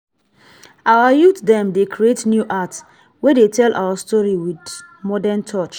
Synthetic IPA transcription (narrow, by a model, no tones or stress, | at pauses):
awajut̪dɛ̃mdekʰɹietnjuʔats | wɛdetʰɛlʔa̰wastɔɹiwid | mɔdɛntʰɔt͡ʃ